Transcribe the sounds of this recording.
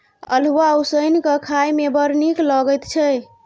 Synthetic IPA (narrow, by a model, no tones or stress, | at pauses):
ə̰l̤wausəjnkəkʰajmebəɾnikləɡəjt̪t͡ʃʰɛ